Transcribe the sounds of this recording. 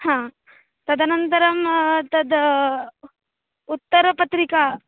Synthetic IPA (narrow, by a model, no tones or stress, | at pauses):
hãː | t̪ɐd̪ʱanɐnt̪ɐɾɐmt̪ɐd̪ | ut̪ːɐɾpɐt̪ɾika